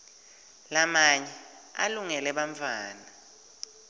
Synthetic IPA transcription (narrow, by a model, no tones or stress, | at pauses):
lamaɲɛ | a̰luŋɛlɛɓaɱfʰaːna